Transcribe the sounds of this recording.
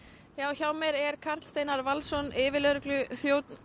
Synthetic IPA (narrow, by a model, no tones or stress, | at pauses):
jaːwçawmɛɾɛɾ̥kʰar̥t̪lst̪eːjnaɾvalsɔnɪːvɪlœɾklʏθjoːwt̪n